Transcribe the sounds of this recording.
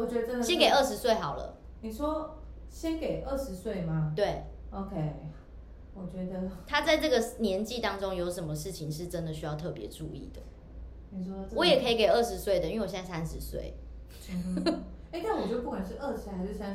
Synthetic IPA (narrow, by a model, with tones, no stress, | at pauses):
wɔ˨˩t͡ɕɥɛ˧˥d̪ə˧ə˥˦nɕjɛ˥nke˨˩ə˥˩ʂɻ̩˧˥swe˥˩ɪxɑ˨˩ʊlə̰˦ | ni˨˩ʂwɔ˥ | ɕjɛ˥nke˨˩ɪʔə˥˩ʂɻ̩˧˥swe˥˩ɪma˨˩t̪we˥˩ɪo˧ʊkʰe˥ɪ | wɔ˨˩t͡ɕɥɛ˧˥d̪ə˧t̪ʰa˥t͡sa˥˧ɪʈ͡ʂɤ˥˩ɡə˨˩njɛ˧˥nt͡ɕi˥˨t̪ɑ˦˥ŋʈ͡ʂo˦ŋjo˧˥ʊʂə˧˥nmə˨ʂɻ̩˥˩t͡ɕʰi˨˩ŋʂ̬ɻ̩˥˩ʈ͡ʂə˦nd̪ə˨ɕ̬y˥jɑ˥˧ʊt̪ʰɤ˥˩pjɛ̰˧˥ʈ͡ʂṵ˥˧ḭ˥˩d̪ə˩ | ni˨˩ʂwɔ˥˧wɔ˨˦jɛ˨kʰɤ˧˥i˨˧˥ke˨˩ɪə˥˩ʂɻ̩˧˦˥swe˥˩ɪd̪ə˩i˥˧e˥˧wɕjt͡sa˥˧sæ˥nʂɻ̩˧˦swḛ˥˩ɪ | e˥˩ɪna˥˩wɔ˨˩t͡ɕɥdpu˥˩kwa˨˩nʂ̬ɻ̩˥˧ʔə˥˩ʂ̩˧˥a˧˥˧